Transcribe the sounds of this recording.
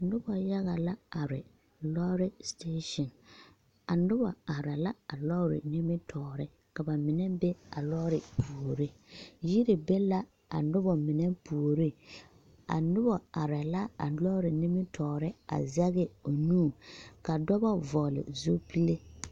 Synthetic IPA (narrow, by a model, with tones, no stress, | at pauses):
nʊ˦bɔ˨ja˦ɣa˨la˦a˨ɾɪ˨ | lɔ˦ɾɪ˦steː˦ʃɔ˨n | a˨nʊ˦ba̰˨a˨ɾɛ˨la˦a˨lɔ˦ɾɪ̰˨nɪ˦mɪ˦tʰɔː˨ɾɪ˦ | ka˨ba˨mɪ˨nɛ˦be˦a˨lɔ˦ɾɪ˨pʰu˨o˨ɾi˦ji˦ɾi˨be˦la˦ | a̰˨nʊ˦bɔ˨mɪ˨nɛ˦pu˨o˨ɾi˦ | a̰˨nʊ˦bɔ˨a˨ɾɛ˨la˦a̰˨lɔ˦ɾɪ˨nɪ˦mɪ˦tʰɔː˨ɾɪ˦a̰˨zɛ˦ɣɪ˦o˨nuː˦˨ka˨dɔ˦bɔ˦vɔ˨lɪ̰˨zo˦pi˦le˦